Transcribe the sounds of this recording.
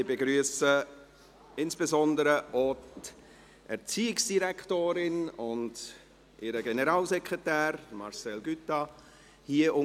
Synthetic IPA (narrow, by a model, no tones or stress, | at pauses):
ɪbeɡɾyəsə | ɪnsb̥ezɔndəɾəʔott | ʔɛɾt͡siːɪksd̥iɾɛktoːɾɪnʊnd | ʔɪɾəɡɛnəɾɑːlszɛkʁɛtæːɾmɑɾsɛlɡytɑ | hiːəʔʊ